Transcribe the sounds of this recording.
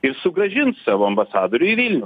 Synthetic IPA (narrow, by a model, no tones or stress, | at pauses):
ɪɾsʊɡɾɐʒʲɪntssɑːʋoːɐmbɐsɑːd̪oːɾʲʊɪʋʲiːlʲnʲɛʊ